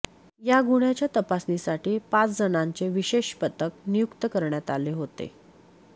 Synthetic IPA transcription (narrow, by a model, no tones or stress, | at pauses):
jaɡuɳjat͡ɕjat̪əpasnisaʈiːpat͡sd͡zənãɲt͡seʋiɕeɕpət̪ək̚nijukt̪əkəɾɳjat̪aleɦot̪ḛ